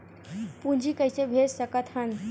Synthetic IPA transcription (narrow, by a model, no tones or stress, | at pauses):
pund͡ʑʱikəjsebʱessəkat̪hən